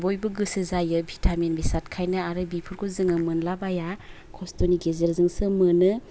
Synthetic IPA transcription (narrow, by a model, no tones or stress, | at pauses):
bojbɯɡɯsɯzajɯbʱitʰamenbisat̚kʰajnɯaɾɯbipʰuɾkʰozɯŋɯmɯnlabajakʰɔstoniɡezeɾzɯŋsɯmɯnɯ